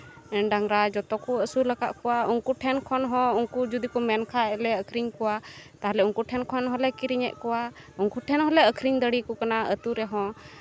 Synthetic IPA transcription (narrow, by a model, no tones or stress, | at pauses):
ɖaŋɾad͡ʒɔt̪ɔkuəsulakaʔkɔwauŋkuʈʰɛnkʰɔnɦɔ̃uŋkud͡ʒud̪ikɔmɛnkʰaɛlɛəkʰɾiŋkɔwat̪aɦalɛuŋkuʈʰɛnkʰɔnɦɔlɛkiɾiɲɛ̰ʔkɔwa | uŋkuʈʰɛnɦɔlɛəkʰɾiŋd̪əɽikɔkanaət̪uɾɛɦɔ̃